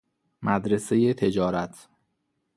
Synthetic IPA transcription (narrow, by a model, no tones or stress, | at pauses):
mæd̪ɾesejet̪ʰe̞d͡ʒɒːɾæt̪ʰ